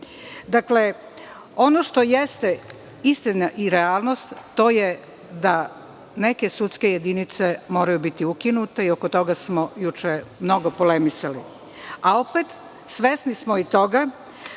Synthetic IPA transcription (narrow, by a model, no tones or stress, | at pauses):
d̪akle̞ | o̞no̞ʃt̪o̞jest̪e | ist̪inaʔiɾeaːlˠno̞st̪ːo̞je | d̪a | ne̞ke̞sut̪ske̞je̞d̪init̪se̞mo̞ːɾajubit̪iukinut̪e̞io̞kot̪o̞ɡasmo̞jut͡ʃemno̞ɡo̞polemisali | ao̞pet̪ | sʋe̞snismoit̪o̞ɡa